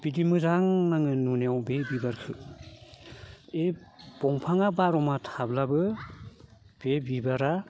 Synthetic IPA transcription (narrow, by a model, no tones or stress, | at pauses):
b̥idimɯzaŋnaŋɯnuneawbebibaɾkʰɯ | eb̥ɔŋpʰaŋabaɾɔmatʰablabɯ | b̥ebibaɾa